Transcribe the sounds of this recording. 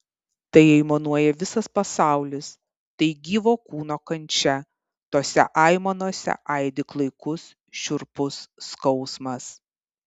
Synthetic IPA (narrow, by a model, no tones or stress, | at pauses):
t̪ɐɪɛɪmonuɔjɛʋʲɪsɐspɐsɑˑʊlʲɪs | t̪ɐɪɡʲiːʋoːkuːnoːkɐnʲt͡ʃʲɛ | t̪oːsʲɛ̰ʔɑɪmɐnuɔsʲɛ̰ʔɐɪd̪ʲɪklˠɐɪkʊs | ʃʲʊɾpʊsːkɒʊsmɐs